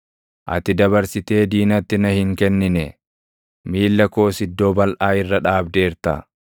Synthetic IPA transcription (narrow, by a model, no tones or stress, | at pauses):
ʔɐ̰t̪ɪd̪ɐβɐɾsɪt̪e̞ːd̪iːnɐt̪ːɪnɐhɪŋkɛnːɪnɛ | miːlːɐko̞ːsɪd̪ːoːbɐlʔaːɪrːɐᶑaːbd̪e̞ːɾt̪ɐ̰